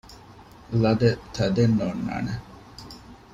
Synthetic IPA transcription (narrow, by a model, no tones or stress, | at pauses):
lɐd̪et̪ʰɐd̪enːoːnːa̰ːne